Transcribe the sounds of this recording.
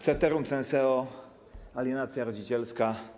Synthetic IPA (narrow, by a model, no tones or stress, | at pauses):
t̪sɛt̪ɛɾumsɛnsɛɔ | alʲjɛnat̪sʲjaɾɔd͡ʑit͡ɕɛlska